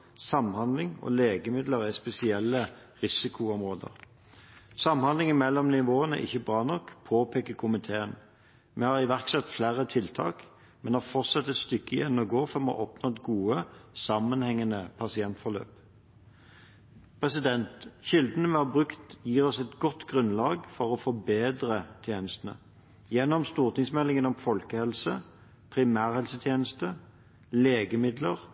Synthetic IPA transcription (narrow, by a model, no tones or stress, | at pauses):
sɑmhɑnd̪lɪŋɔ̰leːɡəmɪd̪ləʁæspɛsɪɛlːə | ʁɪsɪkʰʊʊmʁoːd̪ə̰ʁ | sɑmhɑnd̪lɪŋmɛlːɔmnɪʋoːənæ̰ʔɪ̰çːəbʁɑːnɔkːpʰoːpʰeːkəkʰʊmɪt̪ʰeːən | mʔɛhɑʁɪʋæʁksɛt̪ːflæːʁət̪ʰɪlt̪ʰɑ̰ːk | mɛnhɑːfɔʁt̪sɑt̪ːɛt̪st̪ʏkːəjɛnːəɔɡoːfɔʁmɑ̰ʔɔpnɔɛt̪ɡuːəsɑmːənhɛŋːənəpʰɑsɪɛnt̪fɔʁlø̰ːp | pʰʁɛsɪd̪ɛnt̪ʃɪld̪nəmɛhɑbʁʉkt̪jiːʁɔsɛt̪ɡɔt̪ːɡʁʉnlɑːɡfɔʁɔfɔbeːd̪ʁət̪ʰjeːnəst̪ənə̰ | jɛnːɔmst̪uːʁt̪ɪŋsmɛlːɪŋənɔmfɔlkəhɛlsə | pʰʁɪmæːʁhɛlsət̪ʰjeːnəst̪ə | leːɡəmɪd̪ləʁ